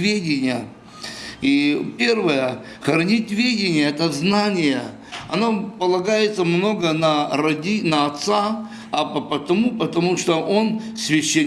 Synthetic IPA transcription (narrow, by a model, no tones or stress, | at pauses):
vʲedʲɪnʲɪjə | ipʲe̞rvəjə | xɐɾɐnʲitʲvʲedʲɪnʲɪjəɛt̪əznanʲɪjə | ɐ̰no̞pəlˠɐɡajɪt̪səmno̞ɡənɐɾɐdʲinəɐt̪sa | ɐpəpət̪ɐmupət̪ɐmuʂt̪oʔo̞nsʲvʲɪɕːe